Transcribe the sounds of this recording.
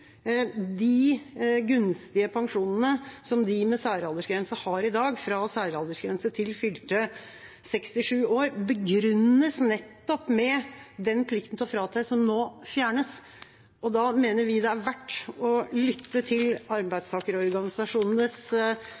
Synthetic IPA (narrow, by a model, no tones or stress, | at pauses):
d̪ɪɡʉnst̪ɪəpʰɑŋʂuːnnəsɔmd̪ɪmɛsæːɾɑld̪əʂɡɾɛnsəhɑːɾɪd̪ɑːɡfɾɑsæːɾəɑld̪əʂɡɾɛnsət̪ʰɪlfʏlt̪ə | sɛkst̪ɪʂʉːoːɾbəɡɾʉnːəsnɛt̪ːɔpmɛd̪ɛnpʰlɪkt̪n̩ʰfɾɑːt̪ʰæɪsɔmnoːfjæːɳəs | ɔd̪ɑmeːnəɾʋɪd̪ɛæɾʋæʈːɔlʏt̪ʰːət̪ʰɪlɑɾbæɪd̪st̪ʰɑːkəɾɔɔɾɡɑnɪsɑʂuːnnəs